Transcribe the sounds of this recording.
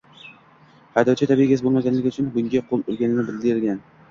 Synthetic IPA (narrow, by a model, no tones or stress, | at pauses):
hajd̪ɒt͡ʃʰat̪ʰabiɡʲas̬ɪbolˠmaɡʲanlɪkʲʊt͡ʃʰʊnbʊŋɡʲaqʰolˠʊɾˠɡʲanɪnɪbɪld̪ɪɪlɡʲan